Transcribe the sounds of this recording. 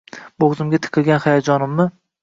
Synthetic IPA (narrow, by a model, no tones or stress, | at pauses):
boʁzɪmɡʲat̪ʰɨ̥qʰɨlˠɡʲanχajad͡ʒɒnɪmːɪ